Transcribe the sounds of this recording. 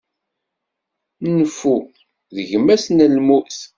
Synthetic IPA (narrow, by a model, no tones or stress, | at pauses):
nfu | ðəʝəmæsnælmuθ